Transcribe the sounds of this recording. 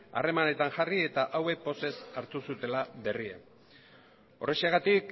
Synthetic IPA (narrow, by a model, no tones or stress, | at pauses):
a̰re̞mane̞t̪aŋxarie̞t̪aʔawe̞kpo̞se̞saɾt̪usut̪e̞laβe̞riḛ | o̞resiaɣat̪ik